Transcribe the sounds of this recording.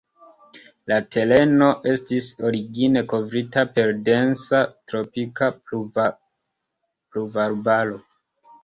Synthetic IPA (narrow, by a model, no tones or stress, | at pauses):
late̞le̞no̞ʔe̞stiso̞ɾiɡine̞ko̞vɾitape̞ɾde̞nsatɾo̞pika | pluvaɾbalo̞